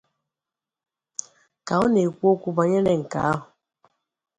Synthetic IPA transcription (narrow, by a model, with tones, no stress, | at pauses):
ka˨ɔ˦ne˨kʷo˦ku˦ba˨ɲe˦nɛ˨ŋ̩˨ka̰˨a˦ɦʊ˨